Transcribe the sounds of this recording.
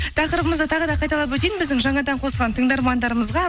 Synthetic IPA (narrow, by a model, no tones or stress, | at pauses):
t̪ʰɑqəɾəbəməzd̪ət̪ʰɑʁəd̪ɑqʰɑjt̪ɑlˠɑp̬wɵt̪ejnbɪzd̪ɪŋʒɑɴɑd̪ɑɴqʰo̞slˠʁɑnt̪ʰəɴd̪ɑɾmɑnd̪ɑɾəməzʁɑ